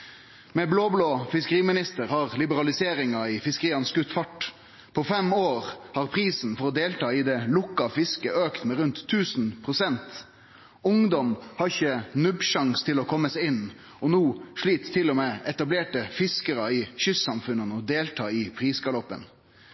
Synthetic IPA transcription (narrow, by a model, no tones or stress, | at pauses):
mɛbloːbloːfɪskəʁiːmɪnɪst̪əʁhɑʁlɪbəɾɑlɪseːɾɪŋɑɪfɪskəʁiːɑnskʉt̪fɑʈ | pʰɔfɛmoːʁhɑʁpʰʁiːsn̩fɔɾɔd̪eːlt̪ʰɑːɪd̪ɛlʊkːɑfɪskəøːkt̪mɛɾʉnt̪ʰːʉːsnpʰʁʊsɛnt̪ | ʊŋd̪ɔmhɑɾɪçənʉbʃɑŋst̪ʰɪlɔkʰɔmːəsɪn | ɔnuːʂɭiːt̪t̪ʰːɪlɔmeːɛt̪ɑbleːʈəfɪskəɾɑɪçʏsːɑmfʉnːənɔd̪eːlt̪ʰɑːɪpʰʁiːskɑlɔpːə̰n